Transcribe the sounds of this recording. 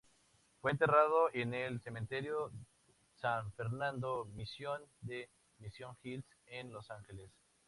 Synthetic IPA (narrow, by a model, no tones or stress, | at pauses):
fwe̞ːnt̪e̞rað̞oʔenelsemẽnt̪eɾjo | saɱfeɾnãnd̪omisjond̪e | misjo̞ŋxilsenlosaŋxeles